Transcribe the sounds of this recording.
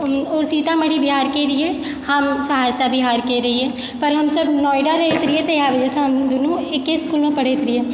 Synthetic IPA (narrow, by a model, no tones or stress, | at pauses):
oːsiːt̪ãːməɽibɪɦaːɾkeːɾɪe | həmsɐɦaːɾsabɪɦaːɾkeːɾəɦiɛ̃ː | pəɾɦɐmsəbnɔːɪɖaɾəɦeːt̪ɾɪeːt̪ejaːʋəd͡ʒəsəmd̪onũɪkːeskuːlmẽpəɽeːt̪ɾɪeː